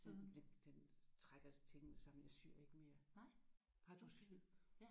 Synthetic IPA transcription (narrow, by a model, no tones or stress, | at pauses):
d̥ed̥end̥ent͡sʰʁaɡ̥ɐt͡sʰe̝ŋnəsɑ̈m̰n̩æsy̰ɐ̰e̝ɡ̥əme̝ːɐ | hɑ̈d̥usy